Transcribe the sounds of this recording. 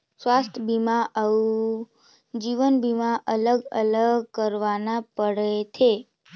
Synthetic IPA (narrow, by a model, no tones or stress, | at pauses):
sʋast̪ʰəbʱimaʔəu | d͡ʒiʋənbʱimaʔələɡələɡkəɾʋanapəɽet͡ʃʰe